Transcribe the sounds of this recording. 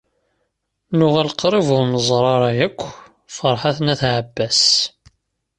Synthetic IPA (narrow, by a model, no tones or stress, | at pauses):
nʊʁælqɾˤivʊɾməzˤɾˤɑɾˤɑjækʷː | fəɾˤħaθnæθʕəbːæs